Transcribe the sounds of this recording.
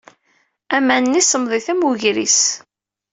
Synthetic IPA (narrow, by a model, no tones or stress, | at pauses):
æmænnːisəmðˤiθæmuʝɾḭs